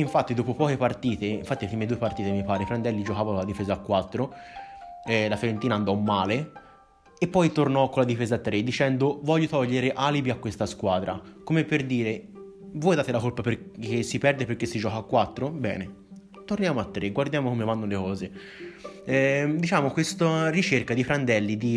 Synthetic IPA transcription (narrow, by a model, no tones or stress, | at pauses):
iɱfat̪ːid̪oːpopɔːkepart̪iːt̪eiɱfat̪ːifɾiːmed̪uːepart̪iːt̪emipaːɾepɾand̪ɛlːid͡ʒokaːvakolad̪ifeːzaːkːwat̪ːɾo | ɛlafeɾent̪iːnaːnd̪ɔmːaːle | epːɔjt̪ornɔkːolad̪ifeːzat̪ːɾed̪ːit͡ʃɛnd̪ovɔʎːot̪ɔʎːeɾeʔaːlibiakːwest̪askwaːd̪ɾakomepːerd̪iːɾe | vɔːjd̪aːt̪elakolpaperkːesːipɛrd̪eperkːesːid͡ʒɔːkaːkːwat̪ːɾobɛ̰ːne | t̪ornjaːmoat̪ːɾeɡward̪jaːmokomevanːolekɔːze | ɛd̪it͡ʃaːmokwest̪arit͡ʃerkad̪ipɾand̪ɛlːid̪i